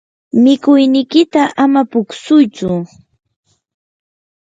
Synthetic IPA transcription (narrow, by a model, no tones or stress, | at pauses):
mɪkʊjnɪkɪt̪aʔamapʊksʊjt͡sʊ